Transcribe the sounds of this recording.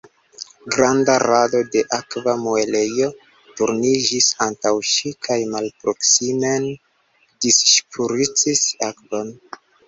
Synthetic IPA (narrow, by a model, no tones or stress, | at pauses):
ɡɾandaɾado̞de̞ʔakvamoele̞jo̞ | tuɾnid͡ʒisantawʃikʰajmalpɾo̞ksime̞n | disʃpʰuɾit͡sisakvo̞n